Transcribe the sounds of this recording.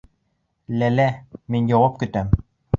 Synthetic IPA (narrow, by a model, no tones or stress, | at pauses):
lælæminjɑwɑp̚kɵ̆t̪æm